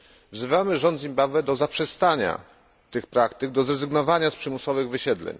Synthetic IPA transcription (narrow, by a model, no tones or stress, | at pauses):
vzɘvamɘʐɔnd̪zʲimbavɛd̪ɔzapʂɛst̪aɲa̰ | t̪ɘxpɾakt̪ɘɡ̚d̪ɔzɾɛzɘɡnɔvaɲaspʂɘmusɔvɘɣvɘɕɛd̪lɛ̰ɲ